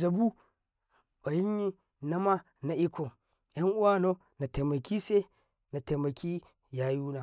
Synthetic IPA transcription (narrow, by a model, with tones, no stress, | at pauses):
za˨bu˦ | o˨ji˦ɲː˦i˦ | na˦ma˦ | na˨ʔi˦kʰo˨ | ja˦ŋʔu˦wa˦no˦ | na˨te˨mɐ˨kʲi˦se˦ | na˨te˨ma˨kʲi˦ | ja˨ju˦na˨